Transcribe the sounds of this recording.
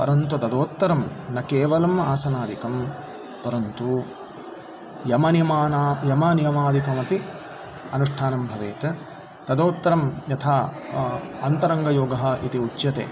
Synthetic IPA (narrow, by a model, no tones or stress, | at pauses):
pɐ̰ɾɐnt̪ut̪ɐd̪oːt̪ːɐɾɐmnɐkeːʋɐlɐmaːsɐnaːd̪ikɐm | pɐɾɐnt̪u | jɐmɐnjɐmaːnaːjɐmɐnijɐmaːd̪ʱikɐmɐpi | ɐnuʂʈʰaːnɐmbʱɐʋeːt̪ɐ | t̪ɐd̪oːt̪ːɐɾɐmjɐt̪ʰaː | ɐnt̪ɐɾɐŋɡɐjoːɡɐɦɐʔit̪iut͡ʃːjɐt̪ḛː